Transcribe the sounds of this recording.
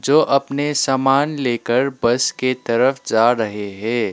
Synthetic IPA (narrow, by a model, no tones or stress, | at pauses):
d͡ʒoːʔɐpnesaːmaːnleːkəɾbɐsket̪ɐɾəfd͡ʒaːɾɐɦeɦɛ̃ː